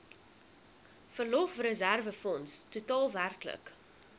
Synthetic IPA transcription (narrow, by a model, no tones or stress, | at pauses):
fərlɔfrəzærvəfɔnstutɑːlˠværklə̰k